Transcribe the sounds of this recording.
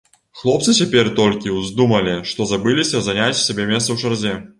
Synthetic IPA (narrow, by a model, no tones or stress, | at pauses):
xlˠɔp̚t̪sɨt͡sʲapʲɛrt̪ɔlʲkʲiwzʲd̪umɐlʲiʂt̪ɔzabɨlʲisʲɐzanʲat͡sʲsʲabʲemʲɛst̪sɐwʂarzʲɛ